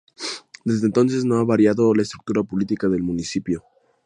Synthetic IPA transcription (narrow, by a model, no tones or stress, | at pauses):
d̪e̞zðeːnt̪o̞ns̬e̞zno̞aβaɾjaðo̞laest̪ɾuk̚t̪uɾapo̞lit̪ikaðelmũnisipjo